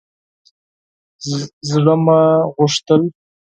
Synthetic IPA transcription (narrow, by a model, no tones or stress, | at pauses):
zɽəmaɣʊʂt̪əl